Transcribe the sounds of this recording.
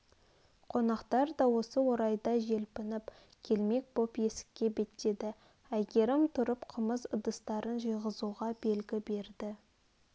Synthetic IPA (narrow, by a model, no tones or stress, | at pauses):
qʰo̞nɑqt̪ɑɾd̪ɑwo̞səwo̞ɾɑjd̪ɑʒe̞lpɪnɪp | kʲʰe̞lme̞k̚bopje̞sɪ̥kʲːe̞be̞t̪e̞d̪ɪ | æjɡʲe̞ɾɪmt̪ʰʊɾəpqʰəməzəd̪əst̪ɑɾənʒəjʁəzuʁɑbe̞lɡʲɪbe̞ɾd̪ɪ